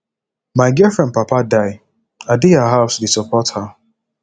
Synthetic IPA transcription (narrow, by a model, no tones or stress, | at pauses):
maɪɡɛfɹɛ̃nd̚papadaɪ | adiaɦaʊsdisɔpɔtha